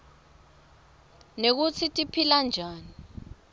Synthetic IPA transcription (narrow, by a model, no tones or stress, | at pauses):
nek̬ut͡sʰitʼipʰiland͡ʒʱaːni